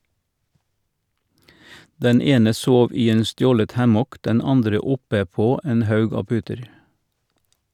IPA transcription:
ˈdɛn ˈeːnə ˈsoːʋ ˈiː ˈeːn ˈstjoːlət ˈhæmɔk ˈdɛn ˈɑndɾə ˈʊpə ˈpoː ˈeːn ˈhɑʉɡ ˈɑː ˈpʉːtəɾ

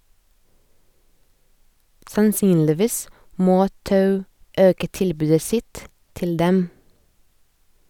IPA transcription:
sɑnˈsyːnlɪˌʋiːs ˈmoː ˈtɑʉ ˈøːkə ˈtɪlbʉːdə ˈsɪt ˈtɪl ˈdɛm

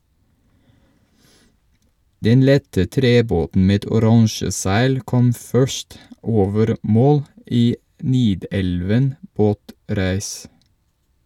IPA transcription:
ˈdɛn ˈlɛtə ˈtɾeːˌboːtn̩ ˈmeːd ʊˈɾɑŋʃə ˈsæɪl ˈkɔm ˈfœʃt ˈʔoːʋəɾ ˈmoːl ˈʔiː ˈniːˌdɛlʋən ˈboːˌtɾæːs

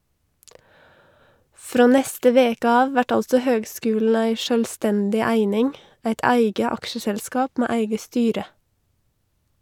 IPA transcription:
ˈfɾoː ˈnɛstə ˈʋeːkə ˈɑːʋ ˈʋæʈ ˈɑlsɔ ˈhøːɡˌskʉːlɳ̩ ˈæɪ ʃœlˈstɛndɪ ˈæɪnɪŋ ˈæɪt ˈæɪɡə ˈɑkʃəsɛlˌskɑːp ˈmeː ˈæɪɡə ˈstyːɾə

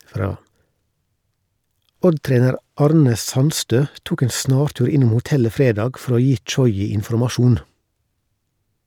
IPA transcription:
ˈɔdˌtɾeːnəɾ ˈɑːɾnə ˈsɑnstøː ˈtuːk ˈeːn ˈsnɑːɾˌtʉːɾ ˈɪnʊm hʊˈtɛlə ˈfɾeːdɑːɡ ˈfɔɾ ˈoː ˈjiː ˈt͡ʃɔʏɪ ɪnfɔɾmɑˈʃuːn

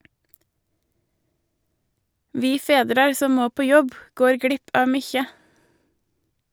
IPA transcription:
ˈʋiː ˈfeːdɾɑɾ ˈsɔm ˈmoː ˈpoː ˈjɔb ˈɡoːɾ ˈɡɽɪp ˈɑː ˈmyːçə

